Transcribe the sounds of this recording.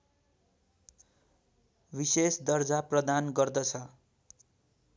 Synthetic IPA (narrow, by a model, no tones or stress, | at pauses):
bisesd̪ʌrd͡zaprʌd̪anɡʌrd̪ʌt͡sʰʌ